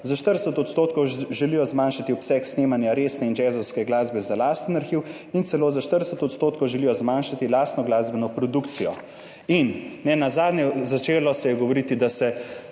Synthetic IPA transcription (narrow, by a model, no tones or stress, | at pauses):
zaʃt̪əɾdsət̪ɔt̪st̪oːt̪kɔwʒɛlijɔzmaːnʃat̪iɔpsɛksneːmanjaɾeːsnɛind͡ʒɛːzɔwskɛɡlaːzbɛzalaːst̪ənaɾxiw | int̪sɛloːzaʃt̪əɾd̪əsət̪ɔt̪st̪oːt̪kɔwʒɛlijɔzmanʃat̪ilaːst̪nɔɡlaːzbɛnɔpɾɔd̪ukt̪sijɔ | inːɛnazaːd̪njɛzat͡ʃeːlɔsɛjɛɡɔʋoɾit̪id̪asɛ